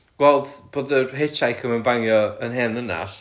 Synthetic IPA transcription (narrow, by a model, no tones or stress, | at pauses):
ɡ̥wɛlˠdb̥oːdərɦet͡ʃʰajkʰəmənbaŋjɔənɦɛːnðəna̰s